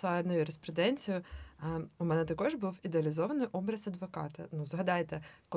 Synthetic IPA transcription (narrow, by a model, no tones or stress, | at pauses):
ɑnɐjuɾespɾɛd̪ɛnʲt͡sʲijʊ | umɛnɛt̪ɐkɔʒbuwid̪eɐlʲizɔʋɐnɪjʔɔbɾɐzɐd̪ʋɔkɑt̪ɐ̰nuzɦɐd̪ɑjt̪ɛkɔ